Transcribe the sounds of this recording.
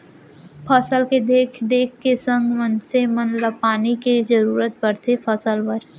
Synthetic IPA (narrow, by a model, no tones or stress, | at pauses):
pʰəsəlked̪eːkʰd̪eːkʰkesə̃ŋɡmənsemənlapaːnikizəɾuːɾət̪̚bəɾt̪ʰepʰəsəlʋəɾ